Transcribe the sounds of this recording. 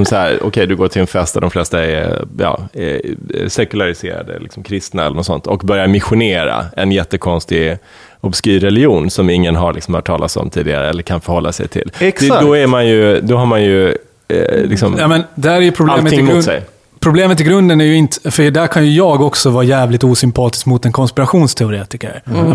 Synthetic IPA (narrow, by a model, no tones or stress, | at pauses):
ɔmsahæːɾɔ̰kʰɛjd̪ɵɡoːʈʰɪlɛnfɛst̪ad̪ɔmflɛst̪aɛ̰jɑ̰ː | sɛkɵlaɾɪsḛːɾa̰d̪ə̰lɪ̰ksɔmkʰɾɪst̪naɛ̰lːəɳnɔsɔ̰nt̪ɔkbœɾjaɾmɪɧʊneːɾa̰ɛnjɛt̪ːəkʰɔnst̪ɪ | ɔbskyːɾɛlɪjuːnsɔmɪŋːənɦaɾlɪksɔmhaʈʰɑːlat̪sɔ̰mt̪ʰiːd̪ɪɡa̰ɾəɛ̰lːəɾkʰanfœɾhɔlːasɛ̰jt̪ʰɪ̰lːd̪ɔæɾmanjɵd̪ɔɦaɾmanjɵ | lɪksɔmjɑːmɛnd̪ɛæːɾæjɵpʰɾʊb̪ːmət̪ɪɪmsɛ̰j | pʰɾʊbleːmət̪ɪɡɾɵnd̪ənæɾjɵɪnt̪fəɖæːɾkʰanjɵjɑːɡɔksɔvɑːɾjæːvlɪt̪uːsʏmpʰɑːt̪ɪ̥skmʊt̪ɛnkʰɔnspɪɾaɧuːnst̪ʰɛʊɾeːt̪ɪkə̰ɾ